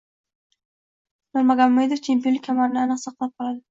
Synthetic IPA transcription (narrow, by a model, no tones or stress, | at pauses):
noɾmaɡamʊmejd̪oft͡ʃʰe̞mpijonɪkʲʰamanɪnɪanɨqsɑqʰlˠap̚qʰɒlˠad̪ɪ